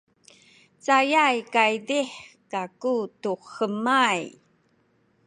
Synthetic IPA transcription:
t͡sajajkajdiħkakutuxəmaj

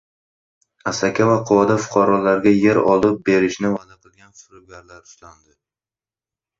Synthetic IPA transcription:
asakʲʰavaqʰʊwɒd̪afʊ̥qʰɒɾɒlaɾɡʲaje̞ɾɒlˠɪp̚be̞ɾɪʃnɪvad̪aqʰɨlˠɡʲanfʊɾʊɡʲaɾlaɾʊ̥ʃt̪and̪ɪ

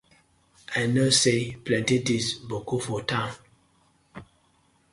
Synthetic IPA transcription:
anəseplɛ̃ntetisbokofɔtãn

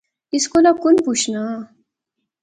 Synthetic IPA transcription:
iskolakunput͡ʃʰna

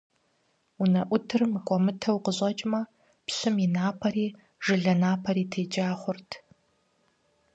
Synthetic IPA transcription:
unɐʔʷʊtʰɨrmɨkʷʼɔmɨtʰɐwqəʑʷʼɐt͡ʃʼmɐ | pɕɨminaːpʰɐɾiː | ʐɨɮɐnaːpʰɐɾiːtʰeːd͡ʒʼaːχʷʊrtʰ

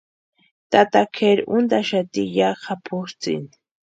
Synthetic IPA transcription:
t̪at̪akʰeɾʊnd̪aʃat̪ijaqʰapʰʊɾt͡sḭn

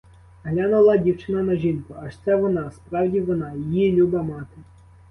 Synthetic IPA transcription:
ɦlʲanʊlˠɑdʲiwt͡ʃɪnɐnɐʒinʲkɐɐʂt̪sɛʋɔnɑspɾɑwdʲiʋɔnɑjijilʲubɐmɑt̪ɪ

